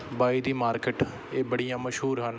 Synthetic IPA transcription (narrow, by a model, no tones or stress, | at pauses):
baːiːd̪iːmaːɾkeʈ | eːbəɽijãːməʃɦuːɾɦən